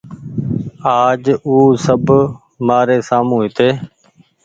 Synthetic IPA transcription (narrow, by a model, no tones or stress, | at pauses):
aːd͡ʒuːsəb | maːɾeːsaːmũːɦɪt̪eː